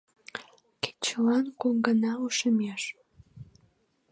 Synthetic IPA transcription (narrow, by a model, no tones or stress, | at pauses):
ke̥t͡ɕəlɑnkoŋɡənɑuʃəmeʃ